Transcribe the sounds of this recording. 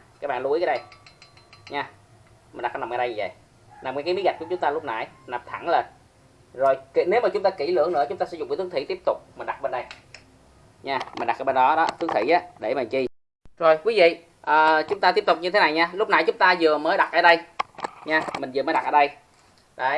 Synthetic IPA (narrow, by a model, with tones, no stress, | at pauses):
kaː˨˦˥k̚ɓaː˧˨nlu˨˦əjkaː˨˦ɗə˧j | ɲaː˧ | mi˨˩nɗa˨˩k̚ːə˧na˨˩məː˧˩ɗə˧jɲɨ˨˧˩ə̰˧˨j | na˨˩mka˨˦kːmi˨˦ɣa˨˩j̚ku˧˩t͡ɕʊ˦ŋ͡mt̪aː˧lʊ˦˥k͡p̚na̰˧˩jna˨˩m̚t̪ʰa˧˩˦ŋləː˨˩n | zo˨˩jkne˨˦wmaː˨˩t͡ɕʊ˨˦ŋ͡mt̪aː˧ki˧˩lɨ̰˧˥əŋnɨ̰˧˥ət͡ɕʊ˦ŋ͡mt̪aː˧sɛ̰˧˥zŋ͡mkiː˧˦t̪ɨ˨˦t̪ʰi˧˦t̪i˦˥əp̚t̪ʊ˨˩k͡p̚mï˨˩nɗa˨˩t̚ɓe˧nɗə˧j | ɲaː˧mi˨˩nɗa˨˩kːaː˨˦jɓe˧nɗɔ˨˦ɗɔ˨˦t̪ɨ˨˦ək̚t̪ʰi˧˩ʔaː˨˦ɗe˧˩maː˨˩t͡ɕi˧ | zo˨˩jkwi˨˦vḭ˧˨ | ʔəː˨˩t͡ɕʊ˨˦ŋ͡mt̪a˧t̪i˦˥əp̚t̪ʊ˨˩k͡p̚ɲɨ˧t̪ʰe˨˦na˨˩jɲaː˧lʊ˦˥k͡p̚na̰˧˩jt͡ɕʊ˨˦ŋ͡mt̪aː˧zɨ˨˩əməː˨˦jɗa˨˩t̚ʔəː˧˦ɗə˧jɲaː˧mï˨˩ŋ̟zɨ˨˩məː˨˦jɗa˨˩ʔəː˧˦ɗə˧j | ɗaː˧˨